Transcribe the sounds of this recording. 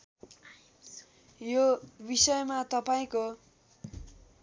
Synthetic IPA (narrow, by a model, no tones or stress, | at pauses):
jobisʌjmat̪ʌpaĩko